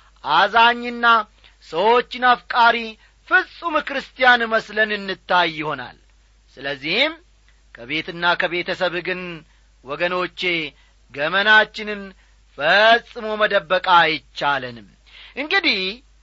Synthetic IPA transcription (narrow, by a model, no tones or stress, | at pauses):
ʔazaɲːɨnːa | səwo̞t͡ʃːɪnafkʼaɾi | fɨsʼumɨkɨɾɨst̪ʰijanməslənɨnːɨt̪ːajːɪho̞na̰l | sɨləzːihɪm | kʰəβe̞t̪ɨnːakʰəβe̞t̪ʰəsəβɡɨn | wɔɡəno̞t͡ʃːe̞ | ɡəmənat͡ʃːɪnɨn | fəsʼːɨmoməd̪əbːəkʼajɪt͡ʃːalənɨm | ʔɨŋɡɨd̪ih